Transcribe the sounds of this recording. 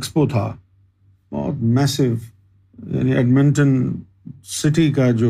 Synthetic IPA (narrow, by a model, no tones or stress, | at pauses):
kspot̪ʰa̰ː | bɔ̰ːt̪mɛːsɪʋ | ja̰ːniɛ̰ɖmɪ̃ɳʈən | sɪʈikad͡ʑoː